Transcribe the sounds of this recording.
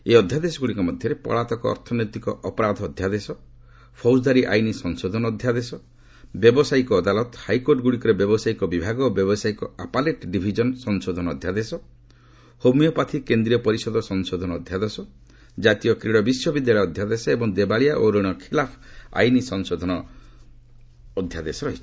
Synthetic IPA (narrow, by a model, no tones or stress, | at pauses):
eɔd̪ʱjad̪esɔɡuɽikɔmɔd̪ʱjɔɾepɔ̰ɭat̪ɔkɔɔ̰ɾt̪ʰɔnojt̪ikɔʔɔpɔɾad̪ʱɔːd̪ʱjad̪esɔ | pʰɔwsd̪aɾiʔa̰jnisɔŋsod̪ʱɔnɔːd̪ʱjad̪esɔ | bjɔbɔsajkɔːd̪alɔt̪hajkoɾʈɡuɽikɔɾebjɔbɔsajkɔbibʱaɡɔbjɔbɔsaikɔapaleʈɖibʱid͡ʒɔnsɔnsod̪ʱɔnɔɔd̪ʱjad̪esɔ | homijɔpat̪ʰikend̪ɾiɔpɔɾisɔd̪ʱɔsɔŋsod̪ʱɔnɔːd̪ʱjad̪esɔ | d͡ʒat̪ijɔkɾiɽɔbisjɔbid̪jaɭɔːd̪ʱjad̪esɔebɔŋd̪ebaɭijaʔoɾɔɽ̃ɔkʰilapʰa̰jnisɔŋsod̪ʱɔnɔ | d̪ʱjad̪esɔɾɔɦit͡ʃʰ